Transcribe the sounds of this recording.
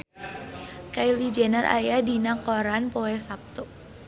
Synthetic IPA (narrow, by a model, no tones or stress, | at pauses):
kailid͡ʒɛnarʔa̰jadinakɔɾanpɔɛsap̚t̪uʔ